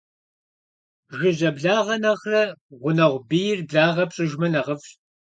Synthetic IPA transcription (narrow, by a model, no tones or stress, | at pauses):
ʒɨʑɐbɮaːʁɐnɐχrɐʁʷʊnɐʁʷbiːjɪrbɮaːʁɐpɕʼɪʒmɐnɐʁəfɕ